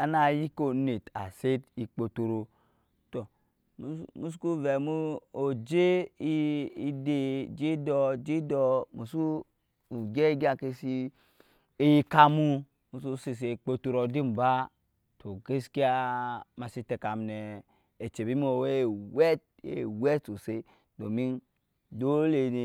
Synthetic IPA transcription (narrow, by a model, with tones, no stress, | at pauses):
a˨na˨ji˦ko˨˦ne˨ta̰˨se˦ti˨k͡po˨to˨ɾo˨ | to˨˦ | mu˦s̬ku˦ve˨mu˦o˨d͡ʒe˦ | i˦de˦d͡ʒe˦dɔ˦d͡ʒi˦dɔ˦mu˨su˦ | u˨ɡe˦ɡi˦a˦˨ke˦si˦ | e˨ji˧ka˧mu˦˧ | mu˨su˦si˧s̬e˨k͡po˧tu˧ɾo˨di˦m˨ba˦ | tʰo˨ke˦ski˦a˦ma˨si˦te˨ka˨m˨nɛ˨ | e˨t͡ʃe˨bi˦m˦o˨we˦˨wɛ˦t̚ | ḛ˨wɛ˦to˨se˦ | do˨mi˦n | do˦le˨ni˨